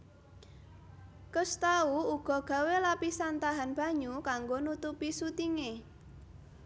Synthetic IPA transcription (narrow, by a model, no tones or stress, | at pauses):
kəst̪auuɡ̥ɔ̤ɡ̥ä̤welapisant̪aɦanb̥a̤ɲukaŋɡonut̪upisut̪iŋe